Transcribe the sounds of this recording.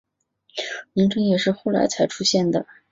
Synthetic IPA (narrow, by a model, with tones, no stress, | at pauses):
ni˧˥ŋʈ͡ʂɤ˥ŋjɛ˨˩ʂɻ̩˥˧xo˥˩ʊla̰˧˥ɪt͡sʰa˧˥ɪʈ͡ʂʰu˥ɕjɛ˥˩nd̪ə˩